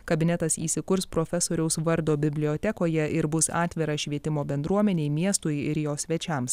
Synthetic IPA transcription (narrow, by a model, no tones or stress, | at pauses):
kɐbʲɪnʲɛt̪ɐsḭːsʲɪkʊɾspɾoːfʲɛsoːɾʲɛʊsʋɐɾd̪oːbʲɪbʲlʲɪoːt̪ʲɛkoːjɛʔɪɾbʊsɑ̰ːt̪ʲʋʲɪɾɑʃʲʋʲiɛt̪ʲɪmoːbʲɛnd̪ɾuɔmʲɛnʲɛɪmʲiɛst̪ʊjɪɾjoːsʲʋʲɛt͡ʃʲɛms